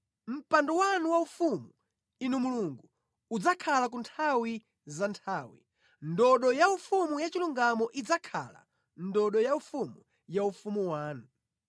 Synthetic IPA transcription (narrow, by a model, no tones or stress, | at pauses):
m̩pandɔwanuwaufumu | inumuluŋɡu | ud͡zakʰalak̬untʰawi | zantʰaːwḭ | ndɔɗɔjaufumujat͡ʃiluŋɡamɔʔid͡zakʰa̰la̰ | ndɔɗɔjaufumu | jaufumuwaːnu